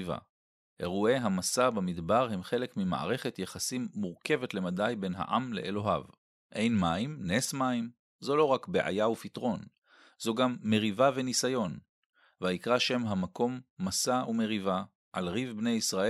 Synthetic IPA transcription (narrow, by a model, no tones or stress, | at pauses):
va̰ | ʔe̞̰ʁue̞ɦamasabamidbaʁɦe̞mχe̞le̞kmima̰ʔa̰ʁe̞χe̞t̪jeχasimːuʁke̞vetle̞madajbe̞nɦa̰ʔa̰mle̞̰ʔelo̞ɦa̰v | ʔe̞jnmaimnesmaim | zolo̞ʁakbeʔa̰jaufitʁo̞n | zoɡamːe̞ʁivave̞nisajo̞n | veaikʁaʃe̞mɦamako̞mːasaume̞ʁiva | ʔa̰lʁivbnejisʁae